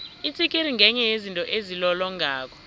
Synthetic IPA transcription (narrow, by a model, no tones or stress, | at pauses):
itʰikʼiɾiŋʱɛɲɛjezintʼɔʔezilɔlɔŋʱaːk̬ʰɔ̥